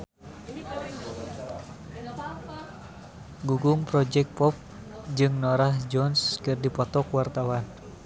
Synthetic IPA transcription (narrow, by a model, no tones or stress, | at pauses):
ɡuɡuŋpɾɔd͡ʒɛk̚pɔp̚ | d͡ʒɨŋnɔɾahd͡ʒɔnskɨrdipɔt̪ɔkwart̪awan